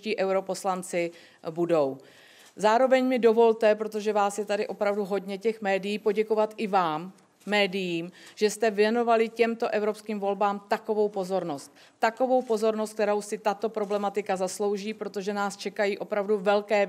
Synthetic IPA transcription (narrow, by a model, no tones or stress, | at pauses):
ciːʔɛwɾo̞po̞slant͡sɪ | budo̞w | zaːɾo̞vɛɲmɪdo̞vo̞lt̪ɛpɾo̞t̪oʒɛvaːsjɛt̪adɪʔo̞pɾavduɦo̞dɲɛcɛxmɛːdɪjiːpo̞ɟɛko̞vat̪ʔɪvaːmː | ɛːdɪjiːmʒ̥ɛst̪ɛvjɛno̞valɪcɛmt̪o̞ʔɛvɾo̞pskiːmvo̞lbaːmt̪ako̞vo̞wpo̞zo̞ɾno̞st̪ːako̞vowpo̞zo̞ɾnost̪̚kt̪ɛɾo̞wsɪt̪at̪o̞pɾo̞blɛmat̪ɪkazaslo̞wʒiːpɾo̞t̪o̞ʒɛnaːst͡ʃɛkajiːʔo̞pɾavduvɛlkɛː